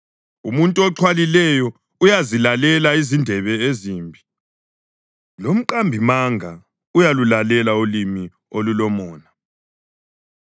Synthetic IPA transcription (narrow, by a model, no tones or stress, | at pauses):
umuntʼuɔǁʰwalilɛjɔ | ujazilalɛlaizindʱɛβɛeziːmbʱi | lom̩ǃambʱimaŋʱa | ujalulalɛlaulimi | olulɔmɔːna